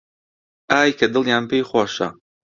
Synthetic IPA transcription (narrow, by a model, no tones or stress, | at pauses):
ʔaːjkʰɐd̪ɨlˠjaːnpejxwaːʃɐ̰